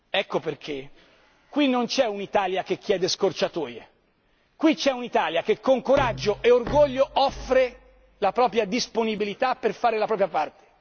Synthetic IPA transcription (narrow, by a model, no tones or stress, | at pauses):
ɛkːoperkʰe | kːwinːont͡ʃɛunit̪aːljakek̟ːjɛːd̪eskort͡ʃat̪oːje | kwit͡ʃɛunit̪aːljak̟ekːoŋkoɾad͡ʒːoʔeorɡoʎːoʔɔfːɾe | lapɾɔːpɾjad̪isponibilit̪apːerfaːɾelapɾɔːpɾjapart̪e̥